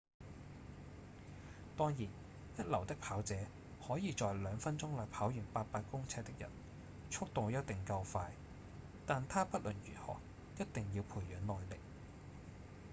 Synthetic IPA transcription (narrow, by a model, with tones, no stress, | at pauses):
t̪ɔː˥ŋjiː˨˩n | jɐ˥t̚lɐ˨˩wt̪ɪ˥k̚pʰaː˨˥wt͡sɛː˨˧˥ | hɔː˨˥jiː˨˧t͡ʃɔː˨jlœː˨˧ŋfɐ˥nt͡ʃʊ˥ŋlɔː˨jpʰaː˨˥wjyː˨˩npaː˧t̚paː˧t̚kʊ˥ŋt͡sʰɛː˧t̚t̪ɪ˥k̚jɐ̰˨˩n | t͡ʃʰʊ˥k̚t̪o˨wjɐ˥t̚t̪ɪ˨˩ŋkɐ˧wfaː˧j | t̪aː˨nt̪ʰaː˥pɐ˥t̚lɵ˨˩nɥy̰ː˨˩thɔ̰ː˨˩k̚ | jɐ˥t̚t̪ɪ˨ŋjiː˧wpʰuː˨˩jjœː˨˥nnɔː˨jlɪ˨k̚